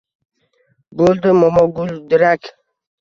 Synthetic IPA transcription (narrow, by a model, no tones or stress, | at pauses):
bold̪əmɔmɔɡuld̪iɾak